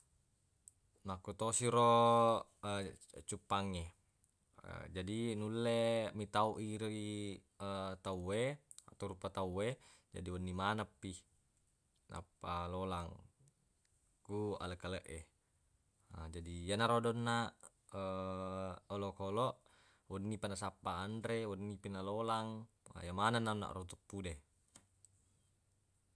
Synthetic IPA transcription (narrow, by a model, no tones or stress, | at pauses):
nakut̪osiɾo | ət͡ʃupːaŋːe | ə̰d͡ʒadinulːemit̪auʔiɾi | ət̪aue | at̪aɾupat̪aued͡ʒa̰diwənːimanəpːi | na̰pːalolaŋ | kua̰ləkːaləʔe | ad͡ʒadijanaɾodɔnːa | ə | olokolɔʔ | wɔnːipanasapːaːndɾewɔnːipinalolaŋ̰ | jamananːanːa̰ʔrot̪upːude